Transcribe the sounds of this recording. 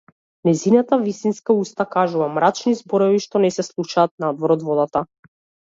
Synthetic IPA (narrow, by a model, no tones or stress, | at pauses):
nɛzinat̪avist̪inskaust̪akaʒuvamɾat͡ʃnizbɔɾɔviʃt̪ɔnɛsɛslˠuʃaːt̪̚nad̪vɔɾɔd̪vɔd̪at̪a